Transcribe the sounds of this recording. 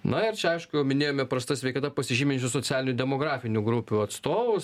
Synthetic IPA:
nɐɪrt͡ʃʲɛɐɪʃkʊjɛʊmʲɪnʲeːjoːmʲɛpɾɐst̪ɐsʲʋʲɛɪkɐt̪ɐpɐsʲɪʒʲiːmʲɪnʲt͡ʃʲʊsot͡ssʲæːlʲɪnʲudʲɛmoːɡɾɑːfʲɪnʲʊɡɾupʲuɐt̪st̪oːʋʊs

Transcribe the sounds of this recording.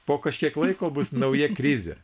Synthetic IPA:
poːkɐʃʲkʲiɛklˠɐɪkoːbʊsnɐʊjɛkɾʲɪzʲḛː

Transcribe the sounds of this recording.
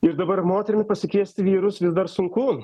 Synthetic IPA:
ɪɾd̪ɐbɐɾmoːt̪ʲɛɾʲɪmʲɪpɐsʲɪkʲeɛsʲt̪ʲɪʋʲiːɾʊsʋʲɪzd̪ɐɾsʊŋku

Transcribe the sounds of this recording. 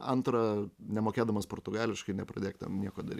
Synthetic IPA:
ɐnt̪ɾɐnʲɛmoːkʲeːd̪ɐmɐspoːrt̪ʊɡɑːlʲɪʃkɐɪnʲɛpɾɐd̪ʲeːkʲt̪ɛ̰mnʲiɛkoːd̪ɐɾʲiː

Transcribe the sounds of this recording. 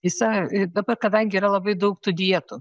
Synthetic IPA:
ɪsɐɪd̪ɐbɐrkɐd̪ɐŋʲɡʲɪiːɾɐlˠɐbɐɪd̪ɐʊkt̪ʊd̪ʲiɛt̪ʊ

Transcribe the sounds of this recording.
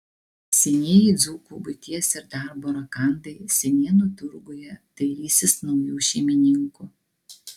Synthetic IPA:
sʲɛnʲiɛjiˑd̪zuːkubʊt̪ʲiɛsʲɪɾd̪ɑˑɾboːɾɐkɑˑnd̪ɐɪsʲɛnʲiɛnut̪ʊɾɡʊjɛt̪ɐɪɾʲiːsʲɪsnɒʊjuːʃʲɛɪmʲɪnʲɪŋkuː

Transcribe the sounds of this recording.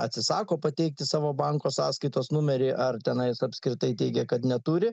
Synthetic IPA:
ɐt̪ʲsʲɪsɑːkoːpɐt̪ʲɛɪk̚t̪ʲɪsɑːʋoːbɐŋkoːsɑːskɐɪt̪oːsnʊmʲɛɾʲɪʔɐrt̪ʲɛnɐɪsɐpʲsʲkɾʲɪt̪ɐɪt̪ʲɛɪɡʲɛkɐt̪nʲɛt̪uːɾʲɪ

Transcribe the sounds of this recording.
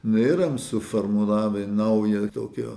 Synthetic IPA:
neːɾɐmsʊformulˠɑːʋʲenɐʊjɛt̪oːkʲoː

